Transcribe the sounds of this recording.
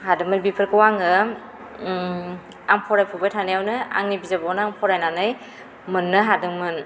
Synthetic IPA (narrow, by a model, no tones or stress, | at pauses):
hadɯŋmɯnbipʰɯɾkɯwaŋɯ | aŋpʰɔɾajpʰubajtʰanajawnɯa̰ŋnibizabɔwnɯaŋpʰɔɾajnanɯj | mɯnːɯɦadɯŋmɯn